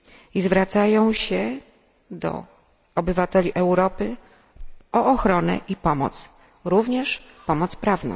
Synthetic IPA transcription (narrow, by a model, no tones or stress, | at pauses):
izvɾat̪sajɔ̃w̃ɕɛ | d̪ɔ̰ | ɔbɘvat̪ɛlʲiʔɛwɾɔpɘ | ɔːxɾɔnɛ̰ʔipɔmɔ̰t̪s | ɾuvɲɛʂpɔmɔt̪spɾavnɔ̰̃w̃